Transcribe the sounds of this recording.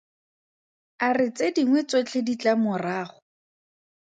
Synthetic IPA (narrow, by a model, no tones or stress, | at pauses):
arɪt͡sediŋwɛt͡sot͡ɬʰedit͡ɬamʊraːχʊ